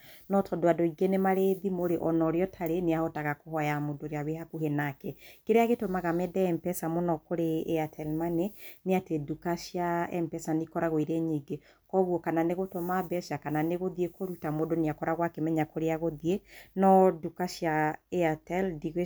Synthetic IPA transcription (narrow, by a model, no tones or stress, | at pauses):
nɔtʰɔdoadoiɡenemaɾeðimoɾeʔɔnɔɾjɔtʰaɾeneahɔtaɣakoɦɔjamodoɾeaβehakuɦenakɛkeɾeaɣetomaɣamɛdɛɛmpɛsamonɔkoɾeːatʰɛlmaneneatedukaʃjaɛmpɛsanikɔɾaɣwiɾeɲiɡe | kɔɣwɔkananeɣotomabɛʃakananeɣoðiekoɾutamodoneakɔɾaɣwakemɛɲakoɾeaɣoðienɔdukaʃjaeatɛldiɣ